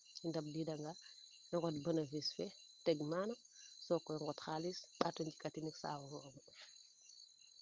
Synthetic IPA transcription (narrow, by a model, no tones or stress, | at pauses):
indɐb̚didɐŋɡa | ɛŋɡɔtbənəvisfɛtɛɡmaːnɔ | sɔkːɔɛŋɡɔtxalisɓatɔɲɟikatiniksa̰ːwɔlɔm